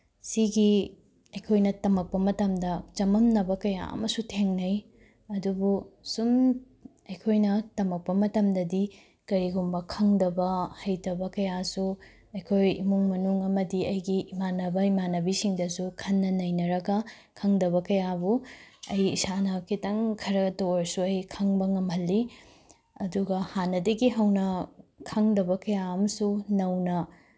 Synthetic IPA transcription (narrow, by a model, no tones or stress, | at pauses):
siɡi | ɐjkʰojnɐtɐmɐk̚pɐmɐtɐmdɐt͡ʃɐmɐmnɐbɐkɐja̰ɐ̰mɐsutʰeŋnɐj | ɐdubusum | ɐjkʰojnɐtɐmɐk̚pɐmɐtɐmdɐdi | kɐɾiɡumbɐkʰɐŋdɐbɐhɐjtɐbɐkɐjasu | ɐjkʰojḭmuŋmɐnuŋɐmɐdiɐjɡiːmanɐbɐimanɐbisiŋdɐsukʰɐnːɐnɐjnɐɾɐɡɐ | kʰɐŋdɐβɐkɐjabuɐjisanɐkʰitɐŋkʰɐɾɐɡɐtoɾsuɐjkʰɐŋbɐŋɐmhɐlːi | ɐduɡɐhanːɐdɐɡiɦɐwnɐkʰɐŋdɐbɐkɐjaɐmɐsunɐwnɐ